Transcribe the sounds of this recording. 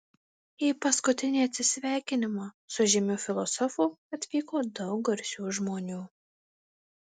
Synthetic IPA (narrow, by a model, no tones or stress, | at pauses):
iːpɐskʊt̪ʲɪnʲiːɐt̪ʲsʲɪsʲʋʲæˑɪkʲɪnʲɪmɑ | sʊʒʲɪmʲʊfʲɪlˠɔsɔfuːɐt̪ʲʋʲiːkoːd̪ɐʊkɐɾʲsʲuːʒmoːnʲuː